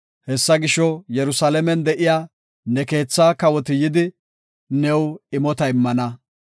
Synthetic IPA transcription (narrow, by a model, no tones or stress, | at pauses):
hɛsːɐɡɪʃɔjɛɾʊsalɛmɛnd̪ɛʔɪjaː | nɛke̞ːt͡sːaːkɐwɔt̪ɪjɪd̪ɪ | nɛwɪmɔt̪ɐɪmːɐnɐ